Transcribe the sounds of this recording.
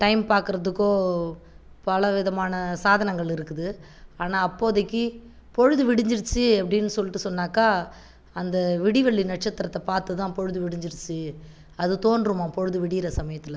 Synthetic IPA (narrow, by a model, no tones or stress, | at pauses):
ʈɐɪmpaːɾkɯɾɐðɯkːoː | pɐlɐʋɪðɐmaːnɐsaːðɐnɐŋɡɐɭɪɾɯkːɯðɯ | aːnaːɐpːoːðɐkːɯ | pɔɻɯðɯʋɪɽɪɲd͡ʒɪɾɯt͡ʃːɯɐpːɐɽɪnːɯsɔlːɪʈːɯsɔnːaːkaː | ɐnd̪ɐʋɪɽɪʋɛɭːinɐʈ̚t͡ʃɐt̪ːɪɾɐt̪ːɐpaːɾt̪ɯt̪ãːpɔɻɯðɯʋɪɽɪɲd͡ʒɪɾɯt͡ʃːɯ | ɐðɯt̪oːnɖɾɯmãːpɔɻɯðɯʋɪɽɪjɪɾɐsɐmɐjɐt̪ːɪlɐ